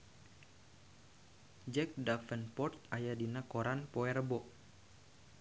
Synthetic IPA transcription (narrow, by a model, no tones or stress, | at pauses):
d͡ʒɛk̚dafənpɔrt̪̚ajadinakɔɾanpɔɛrbɔʔ